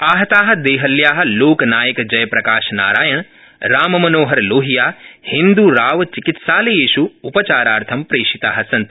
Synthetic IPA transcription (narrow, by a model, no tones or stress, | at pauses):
aːɦɐt̪aːɦɐ̆d̪eːɦɐljaːɦɐ̆loːknaːjɐkd͡ʒɐjɐpɾɐkaːʃna̰ːɾaːjɐɳ̃ | ɾaːmɐmɐnoːɦɐɾloːɦijaːhĩnd̪uɾaːʋt͡ʃikit̪ʃaːlejeːʃuːpɐt͡ʃaːɾaːɾt̪ʰɐmpɾeːʃit̪aːɦɐ̆sɐnt̪